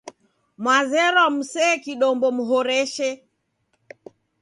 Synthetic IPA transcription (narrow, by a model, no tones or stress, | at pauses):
mwazɛɾam̩sɛːkiɗɔmbɔm̩ɦɔɾɛʃɛ